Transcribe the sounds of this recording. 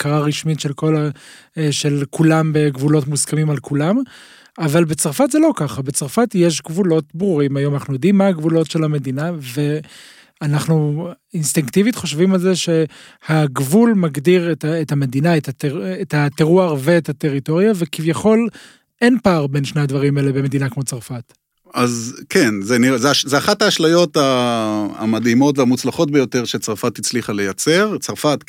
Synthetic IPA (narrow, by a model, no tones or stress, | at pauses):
kʰaʁaʁiʃmitʃe̞lko̞la | ʃe̞lkulambeɡvulo̞tmuskamimalkulam | avalbet͡saʁfatzelo̞kaχabet͡saʁfatjeʃ̬ɡvulo̞tbʁuʁimajo̞manaχnujod̪imːaaɡvulo̞tʃe̞lhame̞d̪inave̞ | anaχnuinstiŋkt̪ivitχo̞ʃvimalze̞ʃe̞ | haɡvulmaɡdiʁetaetame̞d̪inaetateetat̪eʁuaʁveːthate̞ʁito̞ʁjavekivjaχo̞l | e̞npaːʁbe̞nʃne̞ad̪vaʁimelebeme̞dinakmo̞t͡saʁfat̪ | ʔazkʰenzeniʁezeaʃzeaχataːʃlajo̞ta | a̰madimo̞tveamut͡slaχo̞t̚bejo̞te̞ʁʃet͡saʁfat̪it͡sliχale̞jat͡se̞ʁt͡saʁfat